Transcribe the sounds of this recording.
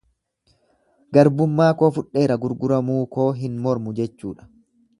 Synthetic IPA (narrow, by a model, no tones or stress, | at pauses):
ɡɐɾbʊmːaːko̞ːfʊᶑːe̞ːɾɐɡʊɾɡʊɾɐmuːko̞ːɦɪnmɔɾmʊd͡ʒɛt͡ʃːṵːᶑɐ̥